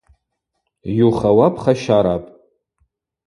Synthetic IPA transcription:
juχawapʰχaʃaɾapʼ

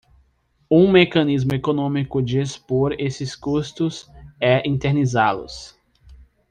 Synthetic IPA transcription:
ũmekɐ̃nizmʊekonõmikʊd͡ʒɪespoɾesɪskust̪ʊsɛʔĩt̪eɾnizalʊ̰s

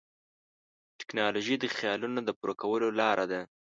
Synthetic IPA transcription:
ʈɪ̥knɑloʒid̪əxjɑlunod̪əpuɾʔakawəlolɑɾʔad̪a

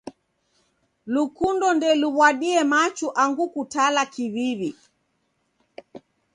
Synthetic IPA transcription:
lukundɔndɛluβwaɗiɛmat͡ʃuʔaŋɡukutalakiβiβi

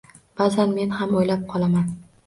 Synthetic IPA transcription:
b̥azanme̞nhamojlap̚qʰɒlˠaman

